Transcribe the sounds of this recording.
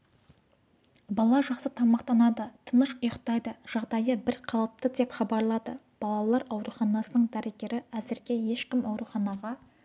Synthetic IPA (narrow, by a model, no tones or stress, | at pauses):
bɑlˠɑʒɑqsət̪ʰɑmɑqt̪ɑnɑd̪ət̪ʰənəʃʊjəqt̪ɑjd̪əʒ̥ɑʁd̪ɑjəbɪɾqʰɑlˠəp̚t̪əd̪e̞pχɑbɑɾlˠɑd̪ə̰ | b̥ɑlˠɑlˠɑɾɑwɾuχɑnɑsənəɴd̪æɾeɡʲe̞ɾɪæzɪɾɡʲe̞je̞ʃkʲɪmɑwɾuχɑnɑʁɑ